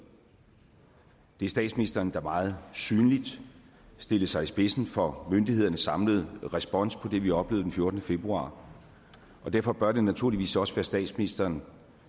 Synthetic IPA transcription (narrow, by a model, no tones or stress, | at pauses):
d̥e̝æɐsd̥ɛ̰ːd̥sminisd̥ɐːnd̥ɑ̈mɑ̈ːð̞̩ˠsyːnlid̥ | sd̥e̝ləsɑ̈ɪisb̥e̝sn̩fɒ̽mønd̥ihe̝ðˠɐnəsɑ̈mləð̞̩ˠʁɛsb̥ɒ̽n̰spʰɒ̽d̥e̝ʋiɒ̽b̥le̝ːð̩d̥enfjo̝ɐd̥ənəfe̝b̥ʁuɑ̰̈ː | ʔɒ̽d̥æɐfɒ̽b̥ɶɐd̥enːæt͡sʰuɐ̰liʋḭːsɒ̽səʋæːɐsd̥ɛ̰ːd̥sminisd̥ɐːn